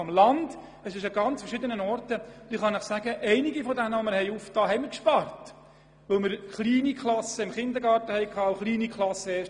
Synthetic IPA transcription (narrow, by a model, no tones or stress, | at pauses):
ɔmlɑnd | əsɪʃɑɡɑnt͡sfəɾʃɪd̪ənənɔɾtəd̥̪iːχɑnɪχsæɡəʔɛɪniɡifɔdænəʋɔməɾhɛɪuftɑːɦɛɪmɪɾkʃpɑrt | ʋɵlməɾχliːnikχlɑsəɪmχɪnd̪əɾɡɑːɾrtəhɛɪkʰɑːχliːnikʰlˠɑsːəɛːʃ